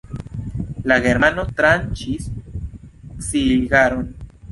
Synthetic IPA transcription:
laɣeɾmanot̪ɾant͡ʃis | silɡaɾon

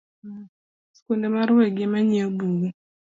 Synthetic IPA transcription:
skondemaɾweɡɪmaɲebuɡu

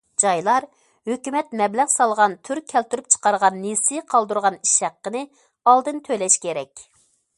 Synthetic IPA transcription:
d͡ʒɑjlˠɑɾ | høkʲymɛt̪mɛblæʁsɑlˠʁɑnt̪ʰyɾkʲʰːɛlt̪yɾyp̚t͡ʃʰə̥qɑɾʁɑnːesɪqʰɑlˠd̪uɾʁɑniʃhæqːənɨ | ɑlˠd̪ɨnt̪ʰølɛʃkʲeɾɛkʲ

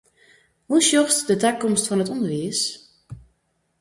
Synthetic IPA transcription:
huʃjɔxstdətakɔmstfɔnətɔndəʋiəs

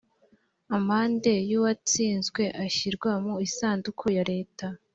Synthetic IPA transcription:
amaːnde̞juwat͡siːnzɡwe̞ʔaçiɾɡwamoisaːndukʰujaɾe̞ːta

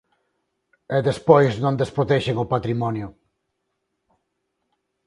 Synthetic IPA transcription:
ɛðespojznõnd̪espɾot̪ɛʃeŋʊpat̪ɾimɔnjʊ

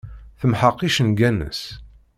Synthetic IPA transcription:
θəmħəqːiʃənɡænə̰s

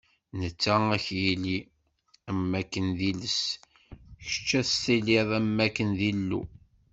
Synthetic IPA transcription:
nət͡sːææçjili | æmːækːənðiləs | çə̥t͡ʃːæst̪iliðˤæmːækːənðilːṵ

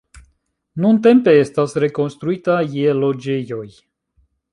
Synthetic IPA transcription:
nuɨnt̪empeest̪asrekonst̪ɾuit̪ajelod͡ʒejoj

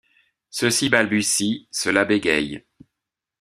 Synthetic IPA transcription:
səsibalbysisəlabeɡʲɛ̰j

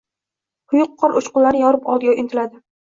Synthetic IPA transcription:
ʊjʊqʰːɒɾʔʊʃqʊlaɾɪjɒɾɪpɒlˠd̪ɡʲaɪnt̪ʰɪlad̪ɪ

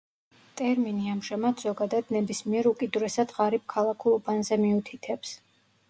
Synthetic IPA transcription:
t̪ʼɛɾminiamʒamat̪ʰz̥ɔɡad̪ad̪nɛbismiɛɾukʼid̪uɾɛsad̪ʁaɾib̚kʰalˠakʰulˠubanzɛmiut̪ʰit̪ʰɛps

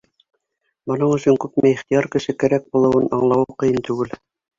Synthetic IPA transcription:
bɤ̆nɤɴɵ̆ʃɵŋkʉpmæjiχt̪ijɑɾkɘ̆ʃɘkæɾæk̚bulˠɤ̆wɤnʔɑ̰ɴlˠɑwɤqɤ̆jɤnt̪ʉɡɘl

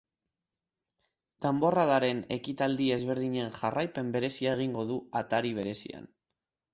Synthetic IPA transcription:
d̪̥ambo̞raðaɾe̞ne̞̰kit̪ald̪ie̞zβ̞e̞ɾðiɲe̞nʝarʔajpe̞mbe̞ɾe̞siae̞ɣ̞iŋɡo̞ðuat̪aɾiβ̞e̞ɾe̞sḭa̰n

